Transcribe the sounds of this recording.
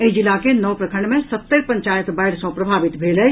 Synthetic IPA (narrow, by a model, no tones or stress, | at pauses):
eid͡ʒilakenəwpɾəkʰəɳɖmẽsət̪ːəɾpə̃ɲt͡ʃaːjət̪ʰbaɪɽsɔ̃pɾəbʱaːbit̪bʱeːlɛ